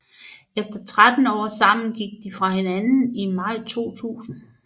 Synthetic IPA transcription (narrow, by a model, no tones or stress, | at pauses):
efd̥ɐt͡sʰʁad̥n̩ɒ̰ːsɑ̈m̰n̩ɡ̥iɡ̥̚d̥ifʁɑ̈henænn̩imɑ̈ɪ̰t͡sʰo̝̰ːt͡sʰṵːsn̩